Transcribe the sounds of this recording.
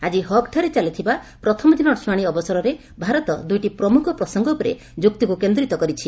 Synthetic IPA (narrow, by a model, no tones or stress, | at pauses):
ad͡ʒiɦɔkʈʰaɾet͡ʃalit̪ʰiba | pɾɔt̪ʰɔmɔd͡ʒ̪inɔʈsmaɽ̃iɔbɔsɔɾɔɾe | bʱaɾɔt̪ɔd̪ujʈipɾɔmukʰɔpɾɔsɔŋɡɔpɔɾḛ | d͡ʒuk̚t̪ikukend̪ɾit̪ɔkɔɾit͡ʃʰi